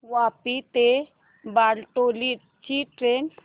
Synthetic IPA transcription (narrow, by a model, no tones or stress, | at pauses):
wapit̪e | baɽʈoli | t͡ʃiʈɾen